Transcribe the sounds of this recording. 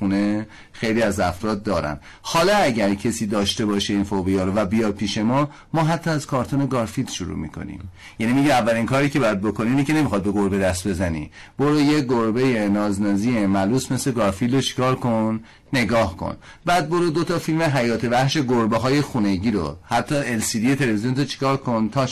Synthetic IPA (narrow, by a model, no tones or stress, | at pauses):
une̞ | xe̞jliːæzæfɾɒːd̪̚ːɒːɾæ̰n | hɒːlɒæɟæɾcʰesiːd̪ɒːʃt̪e̞bɒːʃeiːnfobijɒːɾovæbijɒːd̪̚pʰiːʃe̞mɒː | mɒːɦæt̪ʰːɒæz̥kʰɒːɾt̪ʰone̞ɡɒɾfil̥ʃuɾṵːmḭkʰo̰nḭm | jænimiɟimævːæliŋkʰɒːɾiːcʰeɒːjæd̪̚bo̞ko̞niiːnecʲʰe̞ne̞mixɒːd̪̚be̞ɡo̞ɾbe̞d̪æst̪̚be̞zænḭb̥oɾujeɡoɾbe̞je̞nɒːznɒːziːemæluːsme̞sle̞ɡɒːɾfilot͡ʃʰi̥kʰɒːɾkʰonː | e̞ɡɒːhkʰo̰n | bæd̪̚boɾud̪ot̪ʰɒfilmeɦæjɒːt̪ʰe̞væhʃe̞ɡoɾbeɦɒːje̞xune̞ɟiːɾo̰hæt̪ʰːɒe̞lsiːd̪ijet̪ʰe̞leviziont̪ʰot͡ʃʰi̥kʰɒːɾkʰo̞nt̪ʰɒ